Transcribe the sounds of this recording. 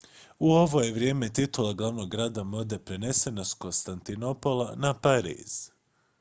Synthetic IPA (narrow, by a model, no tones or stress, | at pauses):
uo̞ʋo̞jeʋɾje̞ːme̞t̪it̪ulˠaɡlˠaʋno̞ɡːɾaːd̪amod̪e̞pɾe̞ne̞se̞nasko̞nst̪ant̪ino̞po̞lˠanapaɾḭːz̥